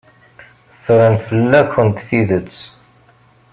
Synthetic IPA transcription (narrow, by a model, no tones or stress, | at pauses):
θɾænfəlːæçənt̪θiðət͡sː